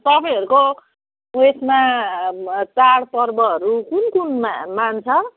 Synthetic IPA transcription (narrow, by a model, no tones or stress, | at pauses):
t̪ʌpãĩɦʌɾuko | muesma | t͡saɽpʌrbʌɦʌɾukunkunmamant͡sʰʌ